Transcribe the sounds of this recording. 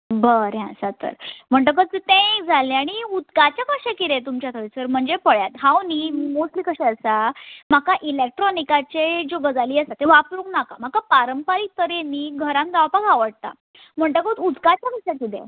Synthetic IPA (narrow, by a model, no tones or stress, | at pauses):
bəɾɦɛ̃sat̪ə̰ɾm̤əɳʈ̬əkət̪it̪ẽd͡zʱaleaɽ̃iud̪kat͡ɕjakəɕakid̪ẽt̪umt͡ɕjat̪ʰəʋisəɾm̤əɳd͡zepəɭjat̪ɦãwnimosʈliːkəɕɛ̃əsam̤akaʔilek̚ʈɾɔnikat͡ɕed͡ʑobəd͡zaliːəsat̪eʋapɾũŋknaka̰m̤akapaɾəmpaɾiːk̚t̪əɾenːiːɡʱəɾãnɡawpakaʋəɽ̚t̪a̰ | m̤əɳʈəkət̪ud̪kat͡ɕjakəɕakid̪ḛ